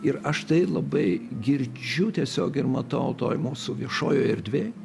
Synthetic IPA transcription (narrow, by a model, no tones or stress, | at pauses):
ɪɾɐʃt̪ɐɪlˠɐbɐɪɡʲɪɾʲd͡ʒʲʊt̪ʲiɛsʲoːkɪrmɐt̪ɐʊt̪oːjmuːsʊʋʲiɛʃoːjoːɛɾʲd̪ʲʋʲeːj